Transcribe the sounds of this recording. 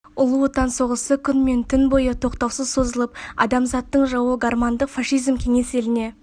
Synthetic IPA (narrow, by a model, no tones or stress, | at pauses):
ʊlˠuot̪ɑnso̞ʁəsəkʲʰʏnme̞nt̪ʰʏnbo̞jət̪ʰo̞qt̪ɑwsəzso̞zəlˠəp̚ɑ̰d̪ɑmzɑt̪ːəɴʒɑwəɡarmand̪əqfɑʃijzmkʲʰe̞ŋe̞se̞lɪne̞